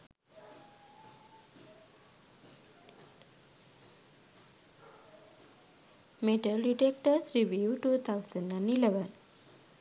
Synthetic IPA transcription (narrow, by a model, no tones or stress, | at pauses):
meʈəlɖiʈek̚ʈəsɾiʋiuːʈuːt̪ʰaʊsə̃ɳɖãnileʋən